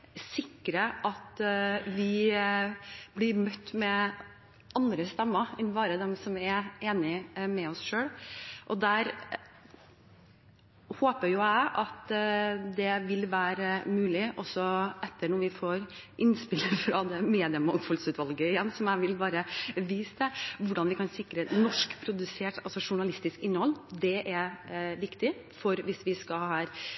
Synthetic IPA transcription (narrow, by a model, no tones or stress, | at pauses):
sɪkːɾəʔɑt̪ʋɪ | blɪɾmœt̪ːmɛ | ʔɑnd̪ɾəst̪ɛmːəɛnbɑːɾəd̪ɛmsɔmɛɾeːnɪmɛɔsʂøːɽʔɔd̪æɾ | hoːpəɾjʊæɪʔɑt̪d̪ɛʋɪlʋæːɾəmʉːlɪʔɔsɔʔɛt̪ːəɳɔɾʋɪfoːɾ | ʔɪnspɪləfɾɑd̪ɛmeːd̪ɪəmɑŋfɔlsʉːt̪ʋɑlɡəɪjɛnːsɔmæɪʋɪlbɑːɾəʋiːst̪əʋʊɖɑnʋɪkɑnsɪkɾənɔʂkpʰɾʊd̪ʉseːʈɑlsɔʂʊɳɑlɪst̪ɪskɪnːəhɔlːd̪ɛʔæʋɪkt̪ɪ | fɔɾʋɪsʋɪskɑhæːɾ